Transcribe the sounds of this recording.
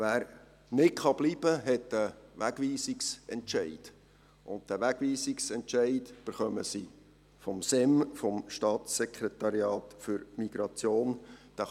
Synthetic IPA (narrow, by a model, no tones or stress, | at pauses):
ʋæːɾ | nɪkχɑb̥liːb̥əɦɛtdəʋæɡʋiːsiksɛ̰ntʃɛɪd̥ | ʊ̰nt̚d̥æʋæɡ̥ʋiːsiksɛntʃɛɪtb̥əɾχœməsi | fɔmsɪmfɔmʃtɑːtsːɛkʰɾɛt̪ɑɾjɑːt̪fʏɾmiɡ̥ɾɑt͡sjoːnd̪̥æ